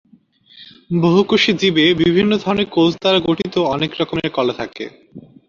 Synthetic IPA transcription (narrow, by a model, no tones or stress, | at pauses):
boɦukoʃid͡ʑibebibʱinːod̪ʱɔɾoneɾkowd͡ʑt̪aɾaɡoʈʰit̪oɔnekɾɔkoneɾkɔlet̪ʰakḛ